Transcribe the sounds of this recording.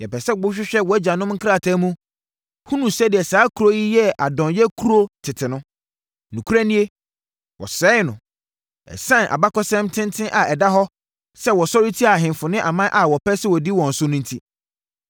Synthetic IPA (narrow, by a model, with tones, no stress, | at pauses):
jɛ˨pɛ˨sɛ˦ɡ͡bʊ˦ɕ̬ᶣɪ˦ɕᶣɛ˦wɔ˨æ˦d͡ʑa˨nʊ̃˦mŋ̩˦kʰɾa˦˨tʰa˦mũ˦ | hũ˦nũ˨sɛ˦dɪ˨ɛ˨saː˨˦kʰu˨ɾo˦ji˦jɛ˦ʔa̰˨dɔ̃˨njɛ˦kʰu˦ɾo˦tʰɪ˨tʰɪ˨nʊ̃˦ | nũ˨kʰu˦ɾa˦nĩ˦e˦ | wɔ̰˨sɛː˦nʊ̃˨ | ɛ̰˨sã˦nʔa̰˨ba˦kɔ˦sɛ̃˦mtʰɪ̃˦ntʰɪ̃˦ʔa˨ɛ˨da˦ɦɔ˦ | sɛ˦wɔ˨sɔ˦ɾi˦tʰi˦a˨ɦɪ̃˨m˨fʊ˨nɪ̃˦ʔa˨mã˦ʔa˨wɔ˨pʰɛ˦sɛ˦wɔ˨di˦wɔ̃˨n̩˨sʊ˦nʊ̃˦n˦tʰi˦